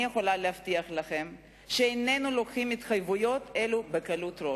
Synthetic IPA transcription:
jeχo̞lalehaftiaχlaχe̞m | ʃeenenulo̞kχimit̪χajvujo̞t̪e̞lube̞kalut̪ɾo

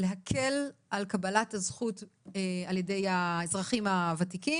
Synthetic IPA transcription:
leɦakʰelʔalkabalathazχutealje̞de̞jaezʁaχimavatiki

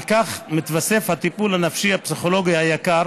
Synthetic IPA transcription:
kaχmit̪vase̞fhat̪ipulhanafʃihapsiχo̞lo̞ɡihajakaɾ

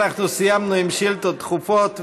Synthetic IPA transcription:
aχnusɪjamnuɪmʃɪltɔtχufɔt

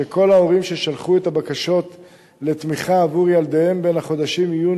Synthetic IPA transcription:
ekʰo̞lao̞ʁimʃe̞ʃalχuet̪abakaʃo̞t̪ | le̞t̪miχaːvuʁjald̪eembenhaχo̞d̪aʃimiju

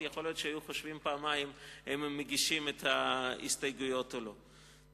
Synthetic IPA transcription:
jeχo̞ljo̞tʃehajuχoʃvimpaːmajimhemːeɡiʃimethaḭstajɡujo̞telo

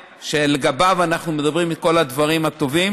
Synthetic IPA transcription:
ʃeleɡabavanaχnume̞d̪abʁimitko̞lad̪vaʁimat̪o̞vim

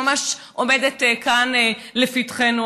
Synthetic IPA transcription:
amaʃʔomedetkanlefitχenu

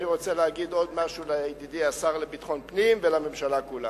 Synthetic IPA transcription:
niʁot͡seleaɡid̪o̞d̪maʃulejd̪id̪iasaʁlebit̪χo̞npnimvelamemʃalakula

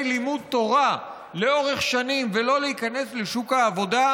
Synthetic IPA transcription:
limud̪̚t̪o̞ʁa | leo̞ʁeχʃanimvelo̞leikane̞sleʃukhaːvo̞da

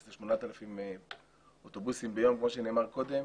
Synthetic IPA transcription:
zeʃmonat̪elafime | ot̪obusimbejo̞mkmoʃ̬eneːmaʁko̞d̪e

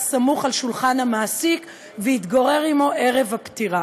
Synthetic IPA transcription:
samuχalʃulχanhamaːsik | vehit̪ɡaʁe̞ʁimo̞ʔe̞ʁevhapt̪iʁa

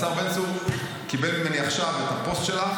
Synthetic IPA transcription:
saʁbensuf | kibeltmeniaχʃavet̪apo̞st̪ʃe̞la

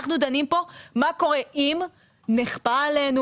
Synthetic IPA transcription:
χnud̪animpo̞mako̞ʁeʔim | neχpaːlenu

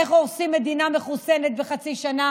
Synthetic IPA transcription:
eχoosimːe̞d̪iname̞χusenet̪̚beχat͡siʃana

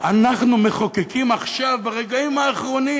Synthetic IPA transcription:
anaχnume̞χokekimaχʃavbaʁeɡaimaːχʁo̞ni

